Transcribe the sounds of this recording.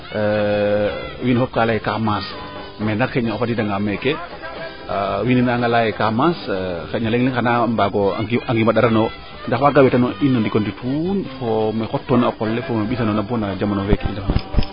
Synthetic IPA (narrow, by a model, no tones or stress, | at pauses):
winfɔp̚kalajɛkamas | mɛnakxɛɲaɔfatidaŋɡamɛkɛ | wininaːŋɡalajɛkamasxɛɲalɛŋlɛŋxanambaɡɔʔaŋɡimaɗaɾanɔ | ndaxwaɡawɛtanɔinːɔndikɔnditʰunfɔmɛxɔtːɔːnaɔkɔlːɛfɔmeɓisanɔnabɔnad͡ʒamanɔwɛkindafna̰